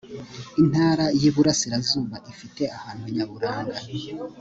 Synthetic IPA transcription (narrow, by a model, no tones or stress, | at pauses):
in̥haːɾajiːβuɾasiɾazuːβaʔifite̞ahaːnuaɲaβuɾaːŋɡa